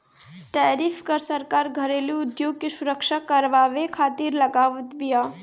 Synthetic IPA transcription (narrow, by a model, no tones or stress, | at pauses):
ʈɛːɾifʰkəɾsəɾkaːɾɡʱəɾeliʊd̪joːɡ̚kesʊɾəkʃakəɾʋaːʋekʰaːt̪iɾləɡaːʋət̪bija